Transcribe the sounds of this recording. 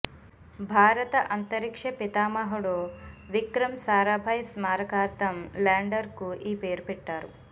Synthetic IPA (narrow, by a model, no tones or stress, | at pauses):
bʱaːɾɐt̪ɐʔɐnt̪ɐɾikʂɐpit̪aːmɐɦɐɽoʋikɾɐmsaːɾaːbʱɐjsmaːɾɐkaːɾt̪ɐmlaːɳɖɐɾkuʔiːpe̞ːɾupɛʈːaːɾu